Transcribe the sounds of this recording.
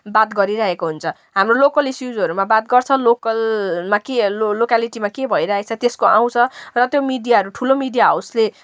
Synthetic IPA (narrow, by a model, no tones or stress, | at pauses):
bat̪ɡʌɾiɾaɦekoɦunt͡sʰʌ | ɦamrolokʌlisjud͡zʌɾumabat̪̚ɡʌrt͡sʰʌlokʌlmakeolokaliʈimakebʱʌiɾaet͡sʰʌt̪eskoʔã̰w̃t͡sʰʌrʌt̪jomiɖijaɦʌɾuʈʰulomiɖijaɦawsle